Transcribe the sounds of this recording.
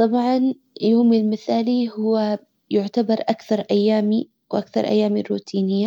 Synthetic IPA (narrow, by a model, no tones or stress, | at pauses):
t̪ˤɑbʕɑn | joːmilmɪθaːlihʊwa | jʊʕt̪abɑɾˤʔakθɑɾˤʔajːaːmi | wʔakθɑ̰ɾˤʔa̰jːaːmirːuːt̪ʰiːnɪjːa